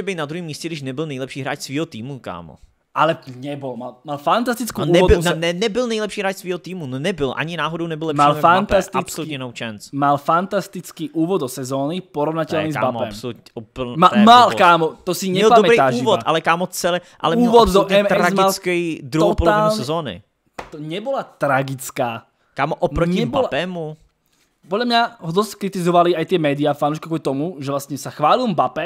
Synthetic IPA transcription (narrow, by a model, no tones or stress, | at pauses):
ɛbɛjt̪nad̪ɾuɦiːmːiːscɛɡdɪʃnɛbɪlnɛjlɛpʃiːɦɾa̰ːt͡ʃsviːɦot̪iːmuka̰ːmo̰ | ʔalɛɲɛbolmalmalfant̪ast̪ɪt͡skuuːɛbɪnɛnɛbɪlnɛjlɛpʃiːɦɾaːt͡ʃsviːɦot̪iːmunnɛbɪlʔa̰ɲɪnaːɦodownɛbɪlɛʃmialfantp̪ast̪ait͡spsolut̪ɲɛnowt͡ʃɛnsmalfant̪ast̪ɪt͡skiːʔuːvod̪d̪osɛzoːnɪpoɾovnacɛlnizka̰bamoɛapsolut̪ɲɛʔopmamalkaːmot̪ɔsiɲɛɛlpaɔmɛɾiaːʒːivɔt̪ʔa̰lɛkaːmɔt͡sɛlɛ | ʔa̰lɛmuːɛlʋɔd̪d̪ɔuʔɛmɛɾazmɡalkɛd̪ɾuɦotpɔlaɲːlssɛzɔːnɪ̰ | t̪ɔɲɛbɔlat̪ɾaɡit͡skaː | kaːmɔʔɔpɾɔɲɛbɔalapɛmu | pɔd̪ʎamɲaɦɔd̪ɔskɾit̪izɔʋaliajt̪ɪɛmɛːd̪iaːfanuːʃkakɔt̪ɔmuʒɛʋlasɲɛsaxʋaːlilmbapɛ